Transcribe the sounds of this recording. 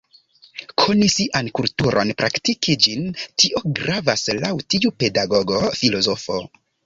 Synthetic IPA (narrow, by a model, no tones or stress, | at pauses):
kʰonisiʔankultuɾʔo̞̰npɾʔaktikid͡ʒintiʔo̞ɡɾavaslawtiupe̞daɡo̞ɡo̞filo̞zo̞fo